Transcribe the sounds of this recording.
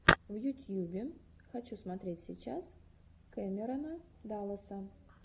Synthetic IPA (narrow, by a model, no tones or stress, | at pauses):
vjʊt̪ʲjubʲɪxɐt͡ɕusmɐt̪ɾʲetʲsʲɪt͡ɕas | kɛmʲɪɾənəd̪alˠəsə